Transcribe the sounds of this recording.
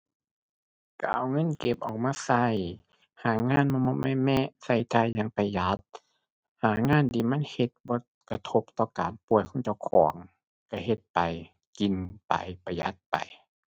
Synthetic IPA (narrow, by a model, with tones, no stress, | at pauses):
ka̰˧˩ʔa˨˩wŋɤ˧˥˨nke˧p̚ʔɔː˨˩k̚maː˧˥˨sa˧˩˨j | haː˨˦ŋaː˧˥˨nmɔː˧˥˨mɔː˧˥ma˧˨mɛ˧˥˨sa˧˩˨jt̪ʰa˧˨jːaː˧˨ŋpa˧jja˧˦t̪̚ | haː˨˦ŋaː˧˥˨nt̪ʰiː˧˨ma˧˥˨nhe˧˦t̪̚bɔː˧˦ | ka˧t̪ʰo˧˦p̚t̪ɔː˧kaː˨npu˧˨˩əjkʰo˧˥˨t͡ɕa˧˩wkʰɔː˨˩˦ŋ | ka˧˩he˧˦t̪̚pa˨j | ki˨npa̰˨˩jpa˧ja̰˧˦t̪̚pa̰˨j